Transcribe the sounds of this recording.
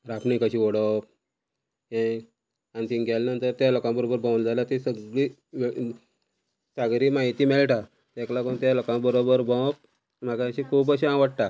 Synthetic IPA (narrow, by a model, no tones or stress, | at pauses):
ɾapɳĩkəɕiʋɔɽəp̚ | ẽ | anit̪ĩnɡʱajlnənt̪əɾt̪jalokãbəɾobəɾbʱãwnd͡zaljat̪isəɡɭi | ʋe | saɡɾiːmaɦit̪iːmeɭʈa | t̪ẽklakənt̪jalokãbəɾobəɾbʱə̃wp̚ | m̤aɡaɕikʰuːp̬əɕiãʋəɽʈa